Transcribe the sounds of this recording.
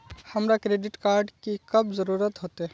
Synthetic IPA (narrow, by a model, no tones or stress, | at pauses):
hɐmɾakɾeːɖɪʈkaːɾɖkikɐbzəɾuːɾət̪ɦoːt̪e